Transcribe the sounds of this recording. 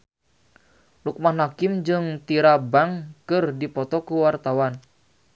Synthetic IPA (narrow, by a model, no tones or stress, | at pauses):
luk̚manakɪmd͡ʒɨŋt̪iɾabaŋkɨrdipɔt̪ɔkuwart̪awan